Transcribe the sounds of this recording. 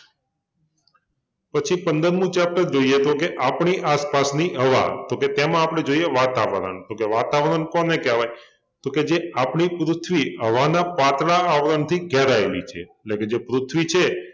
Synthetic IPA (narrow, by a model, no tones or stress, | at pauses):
pət͡ʃʰipənd̪əɾmũt͡ʃap̚ʈəɾd͡ʒoiet̪okeʔapɳiʔaspasniɦəʋa̰t̪oket̪emãapɽ̃ed͡ʒoijeʋat̪aʋəɾə̰ɳt̪okeʋat̪aʋɾənkɔnekɛʋaj | t̪oked͡ʒeapɳipɾʊt̪ʰʋiɦəʋanapat̪ɽaːʋɾəɳt̪ʰiɡʱɛɾaelḭt͡ʃʰḛːʈleked͡ʒepɾʊt̪ʰʋit͡ʃʰe